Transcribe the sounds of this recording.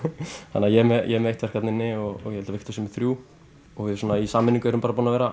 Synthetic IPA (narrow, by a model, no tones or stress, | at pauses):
hanːajɛmɛjɛmejht̪vɛɾ̥kʰvaɛt̪nɪnːɪɔɣɔɣjɛhɛlt̪aveht̪ʰʏsɛmɪ̥θɾju | ɔɣvɪðsɔːnaisaːmːɪniŋkʏɛɾʏmpaːɾapunavɛːɾa